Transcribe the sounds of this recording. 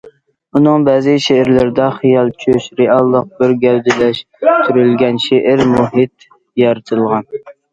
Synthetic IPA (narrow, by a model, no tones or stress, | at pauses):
unɨŋbɛːzɪʃeɪɾlɪɾd̪ɛχijɑlˠt͡ʃʰøʃɾeɑlˠːəq̚bɪɾɡʲɛld̪ɪlɛʃ | t̪ʰyɾylɡʲɛnʃeʔɪɾmuɦɪt̪ | jɑɾɨt̪ʰɨlˠʁɑn